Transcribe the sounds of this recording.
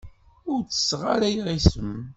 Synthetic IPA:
ʊɾt͡sːə̥sʁaɾæjʁisəm

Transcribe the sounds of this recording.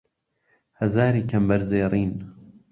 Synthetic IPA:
hɐzaːɾiːkʰɐmbɐɾzeːrˤiːn

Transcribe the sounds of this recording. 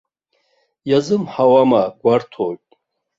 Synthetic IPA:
jazɨmħawamaɡʷartʰoɥtʼ

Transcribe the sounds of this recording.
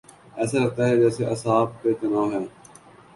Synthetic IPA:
ɛːsaɾɐɡ̚t̪aɦɛd͡ʒɛːseʔɐsaːb̚kek̪ɐnaːɦɛː

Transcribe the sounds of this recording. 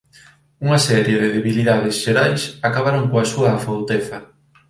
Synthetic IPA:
uŋasɛɾjeðɪðeβiliðaðɪsʃeɾajsakaβaɾoŋkoasuɐːfowt̪efɐ

